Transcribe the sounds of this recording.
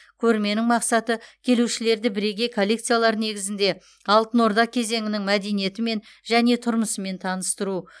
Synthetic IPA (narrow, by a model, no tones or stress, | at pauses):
kʲʰɵɾme̞nɪŋmɑqsɑt̪əkʲʰe̞luʃɪle̞ɾd̪ɪbɪɾe̞ɡʲe̞jkʰolʲːekt̪sɨjalˠɑɾəne̞ɡʲɪzɪnd̪e̞ | ɑlˠt̪ənwo̞ɾd̪ɑq̚kʲʰe̞ze̞ŋɪnɪŋmæd̪e̞nije̞t̪ɪme̞nʒæne̞t̪ʰʊɾməsəme̞nt̪ʰɑnəst̪əɾu